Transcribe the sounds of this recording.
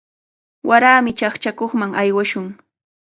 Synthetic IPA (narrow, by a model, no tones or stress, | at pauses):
wʔaɾaːmɪt͡ʃaχt͡ʃakoχmaŋajwaʃʊŋ